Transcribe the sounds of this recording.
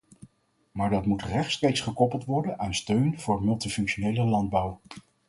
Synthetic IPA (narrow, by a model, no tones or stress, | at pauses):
maːɹdɑtmutrɛχtstrejksχəkɔpəlˠtʋɔɹdənaːnstøɥnv̥ʊːɹmɵlˠtifɵŋkʃonejləlɑnd̚bɑw